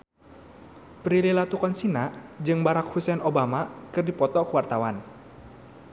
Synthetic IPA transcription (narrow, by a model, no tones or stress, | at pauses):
pɾililat̪ukɔnsinaʔd͡ʒɨŋbaɾak̚husɛnobamakɨrdipɔt̪ɔkuwart̪awan